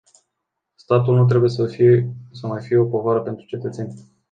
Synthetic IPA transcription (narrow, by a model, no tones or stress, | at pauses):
st̪at̪ulnut̪̬ɾe̞bujeəsəmajfije̞o̞po̞vaɾəpe̞nt̪ɾut͡ʃe̞t̪ət̪se̞nʲ